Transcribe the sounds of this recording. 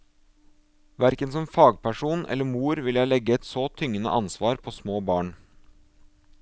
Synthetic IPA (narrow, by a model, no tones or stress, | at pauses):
ʋæɾkənsɔmfɑːɡ̚pʰæʃuːnʔɛ̰ləmuːɾʋɪljæɪlɛɡəɛt̪soːt̪ʰʏŋənə̰ʔɑnsʋɑːɾpʰoːsmoːbɑːɳ